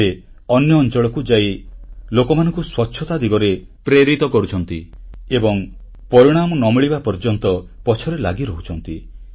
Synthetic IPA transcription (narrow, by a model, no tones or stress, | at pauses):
e | ɔnjɔːnt͡ʃɔɭɔkud͡ʒailokɔmanɔŋkuswɔtːʃʰɔt̪ad̪ʱiɡɔɾe | pɾeɾit̪ɔkɔɾut͡ʃʰɔnt̪iebɔŋ | pɔɾiɽ̃amɔnɔmiɭibapɔɾd͡ʒɔnt̪ɔpɔt͡ʃʰɔɾelaɡiɾɔɦut͡ʃʰɔnt̪i